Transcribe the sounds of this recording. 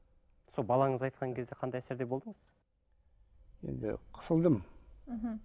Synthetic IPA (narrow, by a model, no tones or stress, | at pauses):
solˠbɑlˠɑɴəzɑjt̪̚qɑŋkʲʰe̞zd̪e̞qʰɑnd̪ɑjæseɾd̪e̞bold̪əmɴəs | je̞̰nd̪ɪ̰qʰə̥səlˠd̪əm̩ɦ